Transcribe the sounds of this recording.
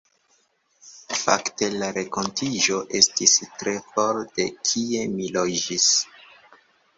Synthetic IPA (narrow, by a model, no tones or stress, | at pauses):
fa̰kte̞laɾe̞ko̞ntid͡ʒo̞ʔe̞stistɾe̞foɾte̞kʰie̞milod͡ʒis